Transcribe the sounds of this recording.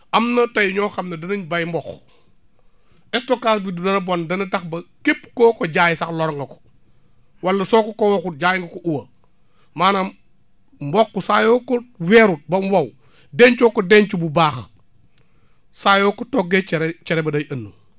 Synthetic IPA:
ʔɐmnɐtɐjiɲɔːxɐmnɐdɐnɐɲbɐjmbɔx | ɛstokasbidudɐnɐbɔndɐnɐdɐxbɐkepːkɔːkɔɟaːjsɐklɔɾŋɡɐkɔ̥ | wɐlːɐsɔːkɔkowɔkut̚ɟaːjiŋɡɐkɔʔuwɐ | maːnam | mbɔkːusaːjɔkɔwɛːɾut̚bɐmwɐw | dɛɲt͡ʃɔːkɔdɛɲt͡ʃububaːx | saːjoːkɔtɔːɡːet͡ʃɾt͡ʃɛɾɛbɐdɐjɐnːu

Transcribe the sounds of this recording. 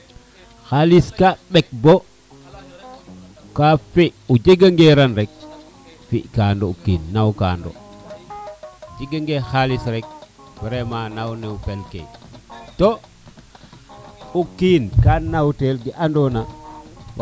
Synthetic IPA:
xaliskaɓek̚bo | kafiud͡ʒiɡaŋɡeɾanɾek̚ | fiʔkandoukiːnːawka̰ːndo̰ | d͡ʒiɡaŋɡexalisɾek̚ | b̥iɾemanawneufelkḛjto | ukiːnkanawtelɡiʔandona | w

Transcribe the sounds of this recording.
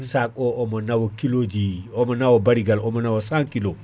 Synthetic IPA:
sak̚oʔomonawokilod͡ʒiomonawobaɾiɡalomonawosãŋkilo

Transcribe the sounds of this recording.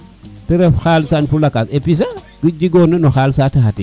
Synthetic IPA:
tiɾɛfxaːlsanfulakasepis̬a | ɡ̥ud͡ʒiɡɔːnɐnɔxaːlsatiɦati

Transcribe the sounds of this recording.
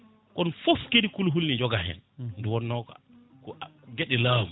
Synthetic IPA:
kɔnfofkedikulɦulnid͡ʒɔɡahɛ̰nduwɔnːɔkɔ̰ | kɔɡeɗɛlaːmu

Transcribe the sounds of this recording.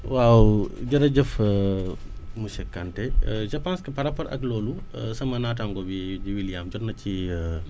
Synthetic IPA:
waːwud͡ʒɐɾɐd͡ʒɐf | musɛkːɐnʈɛd͡ʒɐpaːnskɐpɐɾɐpɐɾʔɐ̰kloːlu | sɐmɐnaːt̬aŋɡobid͡ʒiwilijaːmd͡ʒɔnɐt͡ʃi

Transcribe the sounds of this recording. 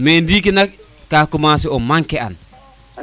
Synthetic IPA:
mendik̬inak | kakumasiɔmaŋkɛa̰n

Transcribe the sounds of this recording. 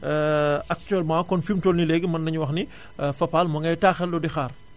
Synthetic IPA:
ɐk̚tyɛlmãkɔnfimtɔːlnilɛɡəmɐnːɐɲuwɐxni | fɐpaːlmɐŋɐjtaːxɛlːɔdixaːr

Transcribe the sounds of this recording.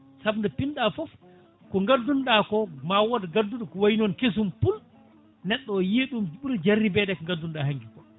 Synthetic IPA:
sabndɛpinɗafɔf | kɔŋɡadːunɗakɔmawodɡadːuɗɔkɔwajnɔnkes̬umpul | nɛɗːɔjiːɗumɓuɾd͡ʒarːibɛːdɛkɔŋɡadːunɗahaŋɡikɔ

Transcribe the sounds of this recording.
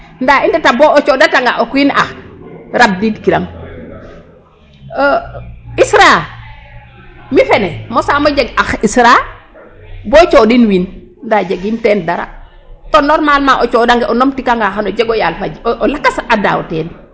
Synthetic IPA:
ndaindataboot͡ʃodataŋɡa̰ʔokuina̰xɾab̚didkiɾaŋ | isɾa | mifenemosamad͡ʒeɡaxisɾa | bot͡ʃoɗinwin | ndad͡ʒeɡinteːndaɾa̰ | tonoɾmalmaʔot͡ʃodaŋɡeʔonomtikaŋɡaxanod͡ʒeɡojalfad͡ʒoʔolakːasada̰woteːn

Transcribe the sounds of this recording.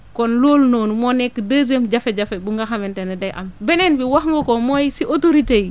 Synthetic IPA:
konloːlnonumonekːdaz̬emɟafeɟafebuŋɡaxamɛntenedajʔa̰mbɛnenbiwaxŋɡokomojsiʔotoɾitej

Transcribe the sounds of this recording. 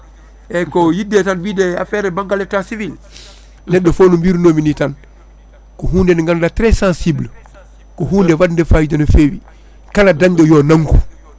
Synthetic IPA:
ʔɛkɔjidːɛtanbiːdɛa̰fɛːɾɛbaŋɡalɛtːasivil | nɛɗːɔfoːnumbiːɾnoːminitan | kɔɦuːndɛnŋɡandatɾɛsãnsibl | kɔɦuːndɛwadndɛfajid͡ʒanofeːwḭ | kaladaɲd͡ʒɔjɔnaŋku

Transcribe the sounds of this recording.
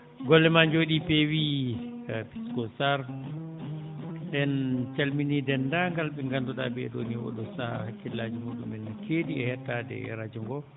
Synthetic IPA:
ɡɔlːɛmaɲd͡ʒoɗipɛwi | pi̥skɔsaɾ | ɗɛnt͡ʃalminidɛnːdaŋɡalɓɛŋɡandɔɗa̰bɛɛɗo̰niwɔ̰ɗɔsakilːad͡ʒimuɗumɛnkeːdiɛhɛtːadɛ̰ɾad͡ʒuŋɡɔ

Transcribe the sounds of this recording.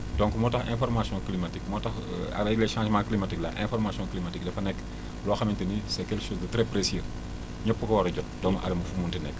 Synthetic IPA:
dɔ̃ŋkmɔtɐxɛ̰̃fɔrmasjɔ̃klimɐtikmɔtɐx | ɐ̰bɐleʃãːʒmãːklimɐtiklɐ̰ʔɛ̰̃fɔɾmasjɔ̃klimatik̚dɐfɐnɛkː | lɔːxɐmintɐnisɛkɛlkʃoːsdɐtɾɛpɾesir | ɲɔpːəkɐwɐɾɐɟɔt̚dɔmɐʔɐ̰lɐmɐfumuntinɛkː

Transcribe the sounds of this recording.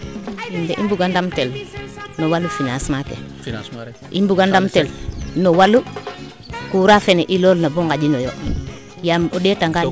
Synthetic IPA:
indeʔḭmbuɡandamtelnowalːufinasmakḛ | ʔimbuɡandamtelnowalːu | kuɾafeneʔiloːlnaboŋɡaɟinojo | jamodetaŋɡa

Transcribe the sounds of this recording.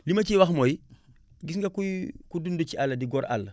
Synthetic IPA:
limaɐt͡ʃiwaxmoji | ɡis̬ŋɡakukudundut͡ʃialːɐdiɡoɾʔa̰lː

